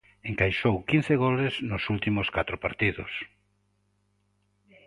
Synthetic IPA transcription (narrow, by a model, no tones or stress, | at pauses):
eŋkajʃowkin̟θeɣoleznʊsult̪imʊskat̪ɾopaɾt̪iðʊ̰s